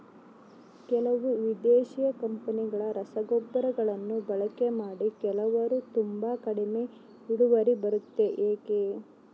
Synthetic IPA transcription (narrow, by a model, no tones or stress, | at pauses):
kɛlɐʋuʋid̪eːʃijɐkɐmpɐniɡɐɭɐɾɐsɐɡɔbːɐɾɐɡɐɭɐnːubɐɭɐke̞maːɽikɛlɐʋɐɾut̪umbakɐɽime̞ | iɽuʋɐɾibɐɾut̪ːe̞ʔeːke